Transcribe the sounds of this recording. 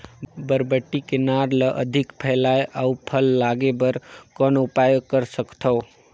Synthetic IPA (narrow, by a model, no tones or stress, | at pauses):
bəɾbəʈːikenaɾləʔəd̪ʱɪkpʰɛlajʔaupʰəlːaɡebəɾkɔnʊpajəkəɾsəkt̪ʰo